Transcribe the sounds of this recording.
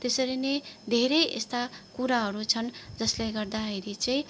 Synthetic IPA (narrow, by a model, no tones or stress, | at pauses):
t̪esʌɾined̪ʱeɾejʔḛst̪akuɾaɦʌɾut͡sʰʌnd͡zʌsleɡʌrd̪aɦeɾit͡sʌĩ